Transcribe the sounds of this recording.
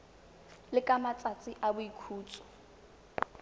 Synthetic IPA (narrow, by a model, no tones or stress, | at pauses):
lɪkʼamat͡sʼat͡sʼɪʔabʊikʰuːt͡sʼɔ̥